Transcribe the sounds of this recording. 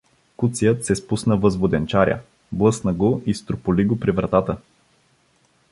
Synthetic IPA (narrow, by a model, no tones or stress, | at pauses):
kut̪sijət̪sɛspusnəvɤzvod̪ɛnt͡ʃaɾʲjə̰ | blˠɤsnəɡoist̪ɾopoliɡopɾivɾɐt̪at̪ə